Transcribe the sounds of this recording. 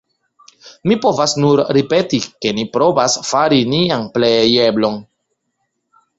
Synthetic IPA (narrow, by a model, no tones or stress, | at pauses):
mipo̞vasnuɾɾipe̞tike̞nipɾo̞vasfaɾinianplejeblo̞n